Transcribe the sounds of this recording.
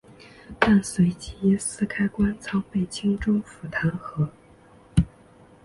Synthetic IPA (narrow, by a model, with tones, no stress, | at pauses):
t̪a˥˩nswe˧˥ɪt͡ɕi˥jɛ˥˩sɹ̩˥kʰa˥ɪkwa˥nt͡sʰɑ˥ŋpe˥˩ɪt͡ɕʰi˥ŋʈ͡ʂʊ˥ŋfu˨˩t̪ʰa˧˥nxɤ˧˥